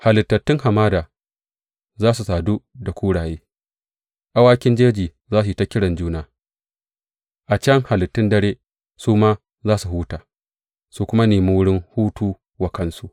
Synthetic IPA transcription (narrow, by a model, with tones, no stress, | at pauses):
ha˨lɪ˨tːɐ˨tːɪ˦ŋha˨maː˦daː˨ | zaː˦su˨saː˨du˦da˨kʷuː˦ɽaː˨jeː˦ | ʔa˦waː˦kʲɪ˦nd͡ʒeː˦d͡ʒiː˨ | zaː˦s̬u˨i˨ta˦kʲːɪ˦ɽɐ˨nd͡ʒuː˦naː˦ | ʔa˨t͡ʃɐ˦ŋha˨lɪ˨tːɪ˦ndɐ˦ɽeː˦ | suː˦maː˦ | zaː˦su˨ɦuː˦taː˨ | su˨kʷʊ˦ma˦neː˨mi˦wʊ˦ɽɪ˦ŋhuː˦tuː˦ | wa˨kɐ˦nsu˦ʔ